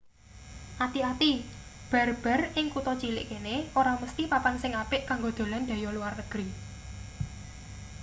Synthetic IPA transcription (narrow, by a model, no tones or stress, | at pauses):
ʔat̪iat̪ib̥a̤rb̥a̤rɪŋkut̪ɔt͡ʃilɪ̰ʔkeneʔoɾaməst̪ipapansɪŋapɪʔkaŋɡod̪̥o̤land̥̪ä̤jɔluwarnəɡ̥ɾi